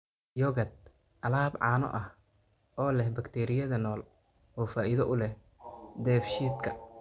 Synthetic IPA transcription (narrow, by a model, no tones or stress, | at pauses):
jɔːɣɐd̪̚ | ʔɐlaːbʕɑ̰ːnɔ̰ʔɐh | ʔɔːlɛhbɐkt̪ʰɛːɾɪjɐðɐnɔːl | ɔːfaːʔɪðɐʔʊlɛh | d̪ɛːfʃiːd̪kʰɐ